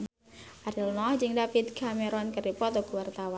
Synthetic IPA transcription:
ʔaɾilnɔhd͡ʒɨŋdafit̪̚kameɾɔnkəɾipɔt̪ɔɡuwart̪awa

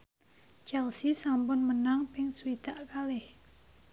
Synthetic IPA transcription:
t͡ʃɛlsisampʊnmənaŋpɪŋsuid̪̥aʔkalɪh

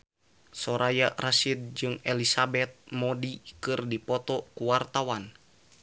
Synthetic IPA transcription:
sɔɾajarasid̪̚d͡ʒɨŋɛlisabɛt̪̚mɔdikɨrdipɔt̪ɔkuwart̪awan

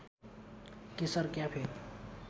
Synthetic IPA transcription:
kesəɾkjapʰeɾ

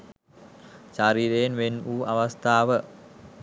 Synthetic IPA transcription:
ʃaɾiːɾejenʋenuːʔaʋast̪ʰaːʋə

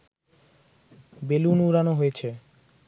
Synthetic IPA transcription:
belunuɾanoɦojet͡ɕʰe

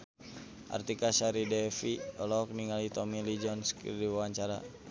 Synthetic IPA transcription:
ʔa̰rt̪ikasaɾidɛfiɔlɔk̚niŋalit̪ɔmilid͡ʒɔnskḭrdiwawaɲt͡ʃaɾa̰

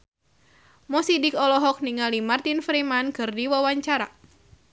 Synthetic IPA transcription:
mɔsidikɔlɔɦɔk̚niŋalimart̪infɾimankɨrdiwawaɲt͡ʃaɾa

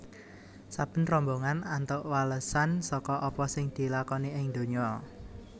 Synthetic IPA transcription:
sab̥ə̤nrɔmboŋanant̪ʊʔwaləsansɔkɔʔɔpɔsɪŋd̪̥i̤lakɔniɪŋd̪̥o̤ɲɔ

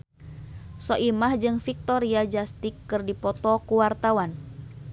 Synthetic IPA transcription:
sɔʔimahd͡ʒɨŋfik̚t̪ɔɾiad͡ʒast̪ikːɨrdipɔt̪ɔkuwart̪awan

